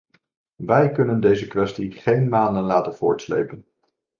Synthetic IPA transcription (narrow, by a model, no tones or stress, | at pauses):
ʋɛjkɵnəndejzəkʋɛstiχejnmaːndənlaːtənv̥ʊ̰ːɹtslḛjpən